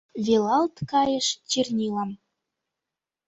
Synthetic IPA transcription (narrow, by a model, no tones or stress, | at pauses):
vʲelɑlt̪kɑjə̆ʃt͡ɕirnʲilɑm